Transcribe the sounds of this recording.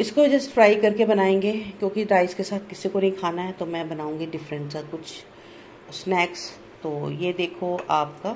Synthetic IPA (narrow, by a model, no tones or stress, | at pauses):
ɪskod͡ʒɛsfɾaːɪkɐɾkebɐnaːẽːŋɡeːkjõːkiɾaːɪzkesaːt̪̚ʰkɪsikonɐɦĩkʰaːnaɦɛt̪omɛ̃bɐnaːũːŋɡiɖɪfɾə̃ɳsakʊt͡ʃʰ | snɛːks | t̪oːjeːd̪eːkʰoaːp̚kaː